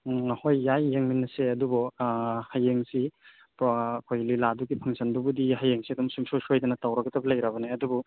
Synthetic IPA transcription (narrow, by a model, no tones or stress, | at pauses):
hojːajːeŋminːɐseɐdubɔhajeŋsi | pɔkʰojliladuɡipʰɐŋsʰɐndubudihajeŋsiɐdumsuŋsosojdɐnɐtawɾɐkɐtɐbɐlɐjɾabɐneɐdubu